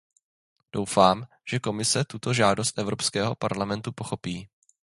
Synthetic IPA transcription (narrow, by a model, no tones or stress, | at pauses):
d̥o̞wfaːm | ʒ̥ɛko̞mɪsɛt̪ut̪o̞ʒaːdo̞st̪ʔɛvɾo̞pskɛːɦo̞paɾlamɛnt̪upoxo̞piː